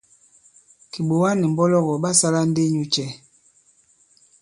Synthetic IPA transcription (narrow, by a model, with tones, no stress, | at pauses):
ki˨ɓo˨wa˦ni˨m̩˨bɔ˦lɔ˦˨ɣɔ˨ɓa˦sa˦la˦n̩˦de˦ɲu˦t͡ʃɛ˦˨